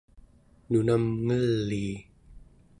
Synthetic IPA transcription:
nunamŋɯliː

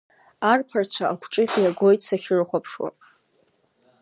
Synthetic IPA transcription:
arpʰart͡ɕʷʰaʔakʷʰʈ͡ʂʼɨχʲjaɡojtʼsaχʲɨrχʷapʰʂwa̰pʼ

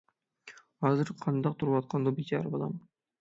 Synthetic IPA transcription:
ɑzɯɾqʰɑnd̪ɑq̚t̪ʰuɾpɑt̪̚qɑnd̪obit͡ʃɑɾbɑlˠɑ̰m

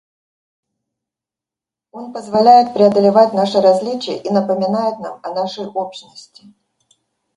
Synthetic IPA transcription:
o̞npəzvɐlʲæjɪt̪̚pɾʲɪɐd̪əlʲɪvatʲnaʂɨɾɐzʲlʲit͡ɕɪjə̰ʔinəpəmʲɪnajɪt̪namɐnaʂəjopɕnəsʲtʲɪ̥

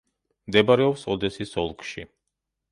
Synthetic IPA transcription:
md̪ɛbaɾɛɔpsɔd̪ɛsisɔlˠkʰʃḭ

